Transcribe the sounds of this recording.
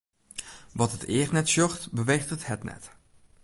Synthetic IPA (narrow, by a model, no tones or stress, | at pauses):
ʋɑtɦətɪːɹtnɛtsjɔχtbəʋejχtəthɛtnɛ̰t